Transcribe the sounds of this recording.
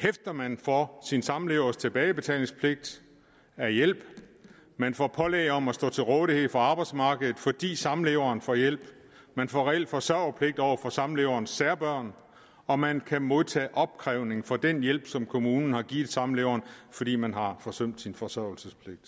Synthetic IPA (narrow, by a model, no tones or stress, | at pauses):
hefd̥ɐmænfɒsinsɑ̈mleːʊɐst͡sʰe̝b̥ɛːɪb̥e̝t͡sʰɛ̰ːle̝ŋspʰle̝ɡ̥̚d̥ | æɐjel̰b̥ | mænfɒpʰɒ̽lɛ̰ɪɒ̽mæsd̥ɔ̰̽ːt͡sʰe̝lʁɔːðˠihe̝ð̩̰ˠfɒɑ̈ːb̥ɑ̈ɪd̥smɑ̈ːɡ̥əðð̩ˠfɒ̽d̥ḭːsɑ̈mle̝ːʊɐːnfɒjel̰b̥ | mænfɒʁɛel̰d̥fɒ̽sɶɐ̰ɐpʰle̝ɡ̥̚d̥ɒʊ̰ɐfɒ̽sɑ̈mleːʊɐːnsːæɐb̥ɶɐ̰n | ɒ̽mænkʰæmo̝ðˠt͡sʰɛ̰ːʔɒ̽b̥̚kʰʁɛʊne̝ŋfɒ̽d̥enjel̰b̥sɒ̽mkʰo̝muːnn̩hɑ̈ɡ̥iːð̩ˠsɑ̈mleːʊɐːnfɒ̽d̥ḭːmænɦɑ̈fɒ̽søm̰d̥sinfɒ̽sɶɐ̰l̩səspʰle̝ɡ̥̚d̥